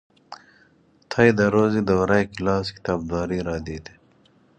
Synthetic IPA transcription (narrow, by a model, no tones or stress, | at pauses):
t̪ʰajd̪aɾoːzid̪ɐwɾajkilɑːski̥t̪ɑːb̚d̪ɑːɾiɾɑːd̪id̪e̥